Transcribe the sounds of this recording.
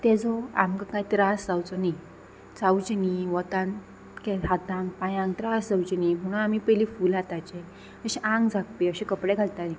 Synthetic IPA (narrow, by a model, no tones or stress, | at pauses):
t̪ɛd͡zɔa̰mkakajt̪ɾasd͡zawt͡sɔni | t͡saut͡ɕniʋɔt̪ãn | kɛɦat̪ãŋɡpajãŋɡt̪ɾasd͡zawt͡ɕnim̤əɽ̃ũnamipəliːfuːlat̪at͡ɕɛ | əɕiʔãŋɡd͡zʱak̚p̪eəɕẽkəpɽɛɡʱalt̪at̪ĩ